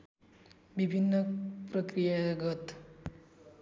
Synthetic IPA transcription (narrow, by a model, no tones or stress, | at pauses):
bibʱinːʌprʌkɾijaɡʌt̪